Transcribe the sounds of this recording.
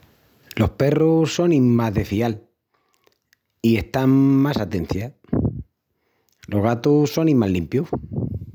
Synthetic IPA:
lo̞hpe̞rusːo̞nimmazðe̞fial | ie̞ht̪aŋmasat̪e̞n̟θja | lo̞ɣat̪uso̞nĩmalimpju

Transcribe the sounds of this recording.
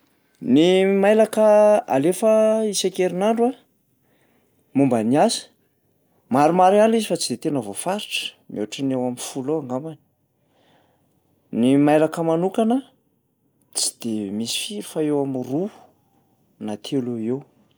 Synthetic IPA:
nimajlakəa̰lefəisakeɾinaɳɖ͡ʐua | mumbaniasi̥ | maɾumaɾianizifat͡sid̪et̪enavofaɾiʈ͡ʂə̥ | mʔo̰aʈ͡ʂənewaminfuloaŋɡamani̥ | nimajlakəmanukanə | t͡si̥d̪̥emisi̥fiɾufaewamruu̥ | nat̪ʰeluew

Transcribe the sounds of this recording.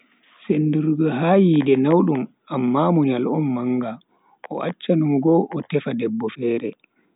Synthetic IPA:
senduɾɡɔɦaːjiːdɛnawɗum | ʔamːamuɲalɔnmaŋɡa | ʔɔ̰ʔat͡ʃːanumɡɔʔɔtɛfadɛbːɔfɛːɾɛ

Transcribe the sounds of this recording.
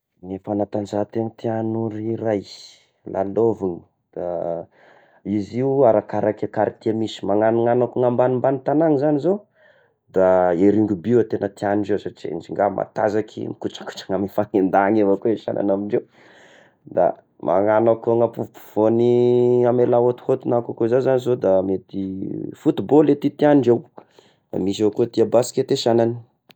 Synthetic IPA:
ŋefanat̪anzat̪ent̪ianuɾiɾaj | lʔa̰loviɲi̥ | d̪̥a | iziuaɾakaɾakakaɾit̪iamisi̥maŋaniŋanakuŋambanimbanit̪anaŋizanizo | d̪aeɾiŋɡubiat̪enət̪ianiɳɖ͡ʐesaʈ͡ʂiḛnd͡ʒiŋɡamʔa̰t̪azakʰḭmikuʈ͡ʂḁku̥ʈ͡ʂḁŋamifaŋend̪aŋevakoeʃa̰na̰namiɳɖ͡ʐew | d̪a̰ | mʔa̰ŋanakŋapuvpu̥v̥oniamelaot̪u̥hot̪unakakozazanizod̪amet̪ifut̪ubolet̪it̪ianiɳɖ͡ʐew | da̰mis̬evakot̪iabasi̥ket̪eʃanani̥

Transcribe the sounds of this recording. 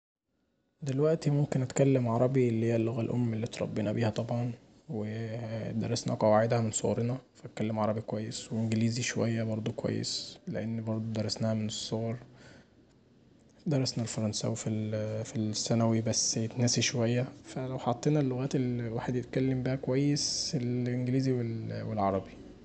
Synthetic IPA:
d̪elwæʔt̪imomkenʔæt̪kælːemʕɑɾˤɑbielːihejːælːoɣælʔo̰mːelːit̪ɾˤɑ̰bːeːnæbiːhæt̪ˤɑbʕɑn | wed̪ɑ̰ɾˤɑsnæ̰hqɑwaʕed̪hæmensˤo̰ɣɾnæfæt̪̚kælːemʕɑɾˤɑbikwæjːesweʔʔnɡeliːziʃowæjːæbɑɾˤd̪ˤokwæ̰jːḛsleʔenːbɑɾˤd̪ˤod̪ɑɾˤːɑsnæːhæmenesˤːoɣɑɾˤ | d̪ɑɾˤɑsnælfɑɾˤɑnsæ̰wefilfilsːænæwibæsːjet̪næsiʃowæjːæfælæwħɑt̪ˤːeːnælːoɣæːt̪elwaːħed̪jet̪kælːembæhækowæjːeselʔenɡeliːziwelwelʕɑɾˤɑbi

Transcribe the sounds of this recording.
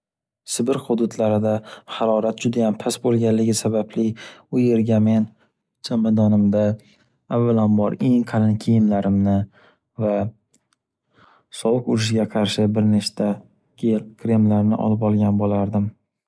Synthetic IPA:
sɪbɪɾχʊd̪ʊd̪laɾɪd̪ahaɾɒɾat̪̚d͡ʒʊd̪ajampʰasbolˠɡʲanlɪɡʲɪsabablɪʊje̞ɾɡʲame̞n | d͡ʒamad̪ɒnɪmd̪aː | vːalanbɒɾe̞ŋqʰɑɾɪnkʲʰejɪmlaɾɪmnɪ | va | sɒwɨqʊɾɪʃ̬ɪɡʲaqʰɑɾʃɪbɪɾneʃt̪a | kʲʰelkʲʰɾe̞mlaɾnɪ̰ʔɒ̰lɪpɒlˠɡʲanbolaɾd̪ɪm

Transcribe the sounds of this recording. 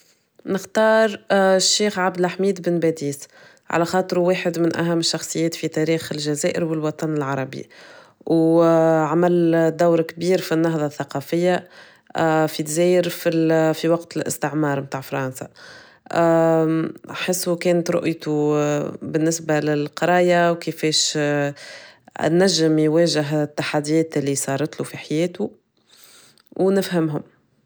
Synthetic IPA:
nɪxt̪ɑːɾˤʃːeːxʕabd̪ɪlħmiːd̪bɪnbæd̪iːs | ʕa̰læxɑːt̪ˤɨɾweːħɪd̪mɪnʔæ̰ɦæmːɪʃːɑxsˤɨjːɛːt̪fit̪æɾiːxɪlʒæzɛːʔɪ̰ɾwɪlwɑt̪ˤɑnɪlʕɑɾˤɑbḭ | w | ʕamæld̪awɾkbiːɾfinːɑɦðˤɑθːɑqɑfɪjːa | fit̪zɛːjɪɾfilfiwɑqt̪lʔɪ̰st̪ɪʕmɑːɾˤmt̪aːʕfɑɾˤɑnsa̰ | ħɪsːukɛːnət̪ɾˤʊ̰ʔjt̪u | bɪnːɪsbalɪlqɑɾˤɑːjawkɪfɛːʃ | nːæʒːɪmjwɛːʒɪɦt̪ːaħad̪ːijɛːt̪ʔɪlːisˤɑːɾˤɑt̪lufiħajɛːt̪u | wnɪfhæmɦʊm

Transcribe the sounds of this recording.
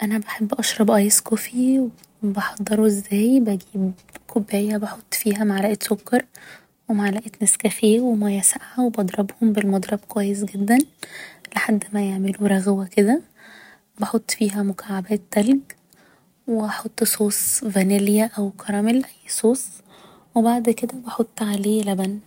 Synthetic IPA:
ʔænæbæħebːʔɑʃɾˤɑbʔɑːjeskofiw | bɑħɑd̪ˤːɑɾˤuʔezːæːjbæɡiːb | kʰobːæːjæbɑħot̪ˤːfiːɦæmaʕalæʔet̪sokːɑɾˤ | wemaʕlæʔet̪næskæxeːwemæjæsaʕawebʔɑd̪ˤɾˤɑbhombelmɑd̪ˤɾˤɑb̚kowæjːes̬ɡed̪ːænleħad̪ːmæjeʕmeluɾˤɑɣwæked̪æ | bɑħot̪ˤːfiːɦæmʊkʰaʕabæːt̪ːælɡ | weʔɑħot̪ˤːsoːsˤvæneljæʔæwkʰɑɾˤɑmelʔæjːsˤoːsˤ | webaʕd̪ked̪æbɑħot̪ˤːʕaleːlæbæn

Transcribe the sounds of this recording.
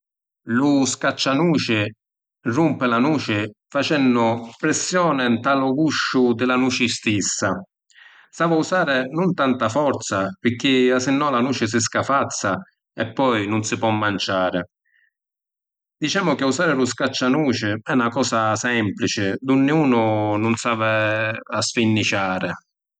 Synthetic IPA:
lʊskat͡ʃːanuːt͡ʃɪ | rumpɪlanuːt͡ʃɪfat͡ʃɛnːʊpɾɪsːjɔːnɪnt̪alʊɡuʃːʊd̪ɪlanuːt͡ʃɪst̪isːa | st̪aːvausaːɾɪnʊnt̪ant̪afɔɾt̪sapɪk̟ːɪasɪnːɔlanuːt͡ʃɪs̬ɪs̬kafat̪sːa | ɛpːɔjnʊnsɪpwɔmːant͡ʃaːɾɪ | d̪it͡ʃaːmʊk̟ɪusaːɾɪlʊskat͡ʃːanuːt͡ʃɪɛnːakɔːsasɛmplit͡ʃɪd̪ʊnːɪuːnʊnʊnsaːvɪasfinːit͡ʃaːɾɪ

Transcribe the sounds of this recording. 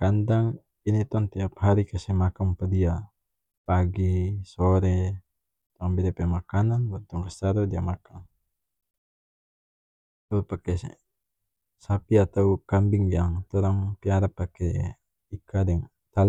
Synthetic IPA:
kandaŋ | init̪ɔnt̪iapɦaɾikasɛmakampadia | paɡisɔɾɛ | t̪ɔaŋbɛdɛpɛmakananbant̪ɔŋkast̪aɾɔdiamakaŋ | t̪ɔpakɛ | sapiat̪awkambɪŋjaŋt̪ɔɾaŋpiaɾapakɛ | ikadɛŋ | t̪al

